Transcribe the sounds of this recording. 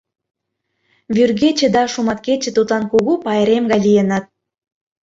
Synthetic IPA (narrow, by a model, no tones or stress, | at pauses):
βyrɣet͡ɕĕd̪ɑʃumɑt̪ket͡ɕĕt̪ut̪lɑnkuɣupɑeɾemɡɑjlijenɑt̪̚